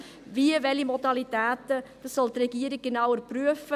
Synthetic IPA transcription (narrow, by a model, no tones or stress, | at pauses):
viəʋɛlimɔdɑlitæːt̪əd̥ɑssɔlt̪rɛɡiːəɾik̚ɡ̥enawəɾpryəfə